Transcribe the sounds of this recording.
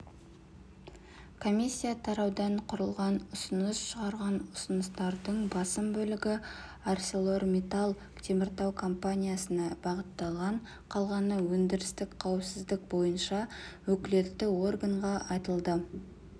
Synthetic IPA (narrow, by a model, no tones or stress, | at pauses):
kʰo̞mʲisʲːijat̪ʰɑɾɑwd̪ɑɴqʰʊɾəlˠʁɑnʊsənəsʃəʁɑɾʁɑnʊsənəst̪ɑɾd̪əɴbɑsəmbɵlɪɡʲɪ | arsʲelˠo̞rmʲet̪alˠ | t̪ʰemɪɾt̪ɑwkʰo̞mpanʲijasənɑbɑʁət̪ːɑlˠʁɑɴ | qʰɑlˠʁɑnəwɵnd̪ɪɾɪst̪ɪkqʰɑwəpsɪzd̪ɪkbo̞jənʃɑwɵkʲɪle̞t̪ːɪwo̞rɡaɴʁɑɑjt̪əlˠd̪ə